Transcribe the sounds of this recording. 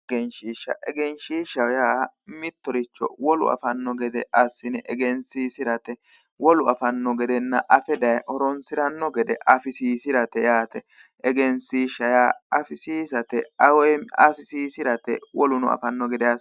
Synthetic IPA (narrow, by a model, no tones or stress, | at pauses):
ɡɛnʃiːʃːɐ̰ʔɛɡɛnʃiːʃːɐwjaːmɪt̪ːɔɾɪt͡ʃːɔ̰wɔlʊ̰ɐ̰fɐnːɔɡɛd̪ɛɐsːɪnɛʔɛɡɛnsiːsɪɾɐt̪ɛ | wɔlʊɐfɐnːɔɡɛd̪ɛnːɐʔɐfɛd̪ɐjɔɾɔnsɪɾɐnːɔɡɛd̪ɛʔɐfɪsiːsɪɾɐt̪ɛjaːt̪ɛ | ʔɛɡɛnsiːʃːɐjaːɐfɪsiːs̬ɐt̪ɛɐwɔjɐ̰fɪsiːsɪɾɐt̪ɛ̰wɔlʊnʊ̰ɐ̰fɐnːɔɡɛd̪ɛjas